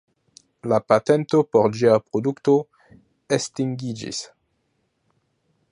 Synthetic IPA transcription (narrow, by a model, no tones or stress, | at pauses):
lapate̞nto̞poɾd͡ʒiapɾodukto̞ | estiŋɡid͡ʒḭs